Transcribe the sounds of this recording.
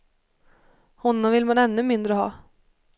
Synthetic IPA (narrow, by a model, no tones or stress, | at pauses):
hɔnːɔmvɪlmanɛnːɵmɪnd̪ɾəɦɑː